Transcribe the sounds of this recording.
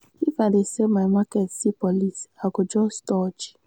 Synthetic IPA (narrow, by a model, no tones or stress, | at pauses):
ivadesemajmakɛtsipɔlisaɡʊd͡ʒɔstɔd͡ʒi̥